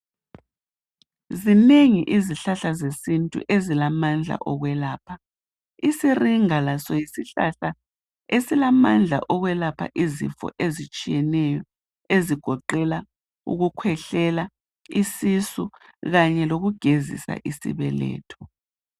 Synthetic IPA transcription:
zineŋiʔiziɬaɬazesintʼṵʔezilamand͡ɮʱa̰ʔɔɣwɛlaːpʰa | isiriŋalasɔjisiɬa̰ɬa | esilamand͡ɮʱa̰ʔɔɣwɛlapʰa̰ʔizḭfɔ̰ʔezit͡ʃʼijɛnɛjɔ | eziɡ̥ʱɔǃɛla | ṵɣukʰwɛɬɛla | isisuɣaɲɛloɣuɡ̥ʱezḭsa̰ʔisḭβɛ̰lɛ̰ːtʰɔ̥

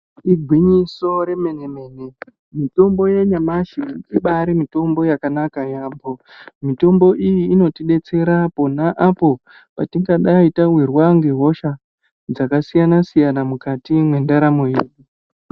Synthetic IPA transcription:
iɡʱwiɲiso̞ɾe̞me̞neme̞ːne | mito̞mbo̞je̞ɲamaʃiiɓaɾimito̞mbo̞jakanakajaːmbo̞ | mito̞mbo̞ʔijiːno̞tiɗe̞t͡se̞ɾapo̞naʔapo̞ | patiŋɡaɗaitaɦwirwaŋɡe̞ɦo̞ʃa | d͡zakasijanasijanamukatimwe̞ndaɾamo̞jeːɗi

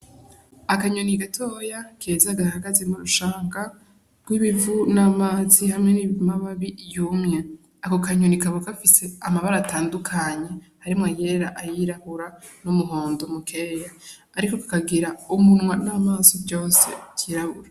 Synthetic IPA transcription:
akaɲoniɡatʰoːjakeːzaɡahaɡazemuɾuʃaːŋɡa | ɡwiβivunamaːzihamŋeniβivumaβaβijuːmɲe | akokaɲonikaβokafise̞amaβaɾataːndukʰaɲe̞ | haɾimŋaje̞ːɾaʔajiɾahuɾanumuɦo̞ːndomukʰeːjaː | ɾikokḁkaɡiɾaumunwanaːmaːzibɟoːse̞̰tiɾaβuɾa

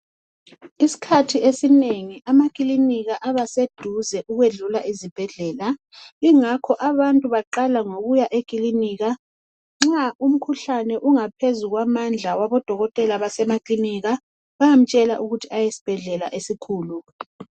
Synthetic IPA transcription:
isi̥kʰatʰiʔesineŋiʔamakʼiliniɣaʔaβased̥ʱuzɛʔuɣweɮulaʔizib̥ʱɛɮɛːla | iŋakʰɔʔaβantʼuβaǃalaŋoɣujaʔekʼiliniːɣa | ŋ͡ǁaum̩kʰuɬanɛʔuŋapʰezuɣwamand͡ɮʱawaβɔd̥ʱɔɣɔtʼɛlaβasɛmakʼliniɣa | βajam̩t͡ʃʼɛla̰ʔuɣutʰiajesi̥b̥ʱɛɮɛla̰ʔesikʰuːlu

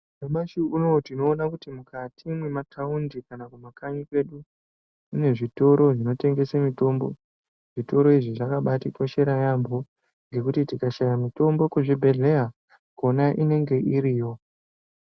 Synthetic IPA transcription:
wemaʃuuno̞tino̞ːnakutimukatʰimwematʰaundikanakumakaɲike̞ɗu | une̞ʐito̞ɾo̞ʐino̞te̞ŋɡe̞samito̞mbo̞ | ʐ̥ito̞ɾo̞iʐiʐakaɓatikwaʃe̞ɾajambʱo̞ | ŋɡe̞kutitikaʃajamito̞mbo̞kweʐibʱe̞ɮe̞ɦa | ko̞naʔine̞ŋɡe̞ʔiɾiːjo̞

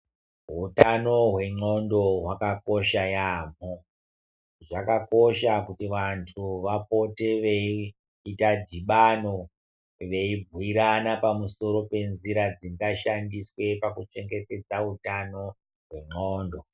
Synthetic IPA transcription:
ɦutanoɦwe̞ŋ͡ǃo̞ndo̞ɦwakako̞ʃajaːm̤o | ʐakakoʃakutiʋantʰuʋapo̞te̞ʋeiː | tadʱiɓano̞ | ʋe̞ibwiɾanapamuso̞ɾo̞pe̞nziɾad͡ziŋɡaʃandiswe̞pakut͡ʃe̞ŋɡe̞te̞d͡zaɦutano̞ | ɦwe̞ŋ͡ǃoːndo̞

